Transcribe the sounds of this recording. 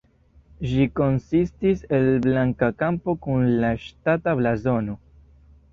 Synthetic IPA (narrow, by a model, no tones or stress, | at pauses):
ʒiko̞nsistise̞lblaŋkakampo̞kunlaʃtatablazo̞no̞